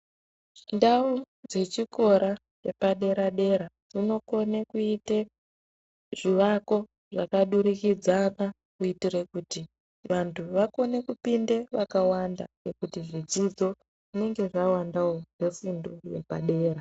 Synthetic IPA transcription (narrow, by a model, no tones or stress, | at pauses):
ndau | d͡ze̞t͡ʃiko̞ɾa | t͡ʃepaɗe̞ɾaɗe̞ɾa | ʐino̞ko̞nekuite | ʐ̥iʋako̞ | ʐakaɗuɾikid͡zana | kuitirekuti | ʋantʰuʋako̞ne̞kupindeʋakawanda̰nekutiʐid͡zid͡zo̞ | ʐine̞ŋɡe̞ʐawandaonefindojepa̰ɗe̞ːɾa